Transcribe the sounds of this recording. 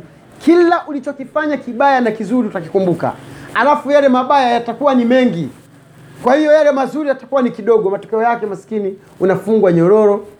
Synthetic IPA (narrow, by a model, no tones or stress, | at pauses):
kʰilaʔulit͡ʃɔkifaɲakiɓajanakizuɾiutakikumbuka̰halafujalɛmaɓajajatakuwanimɛŋɡi | kwahijɔjalɛmazuɾijatḁkuwanikiɗɔɠɔmatɔ̥kɛɔjakɛmasi̥kini | unafuŋɡwaɲɔɾɔɾɔ